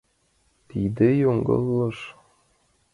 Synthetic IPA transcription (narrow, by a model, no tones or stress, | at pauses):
t̪id̪ɘjoŋɡɤ̰lˠːɤʂ